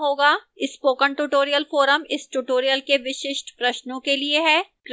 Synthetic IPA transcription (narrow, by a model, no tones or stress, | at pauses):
ɦoːɡaːɪspoːkəɳʈuːʈoːɾijəlfoːɾəmɪsʈuːʈoːɾijəlkeʋɪʃɪʃʈpɾɐʃnõkelieɦɛːkɾ